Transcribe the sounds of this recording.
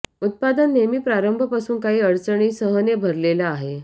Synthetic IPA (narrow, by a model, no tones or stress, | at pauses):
ut̪̚pad̪ənːemiːpɾaɾəmbʱəpasuːnkaɦiːəɽt͡səɳ̃iːsəɦənebʱəɾlelaːɦe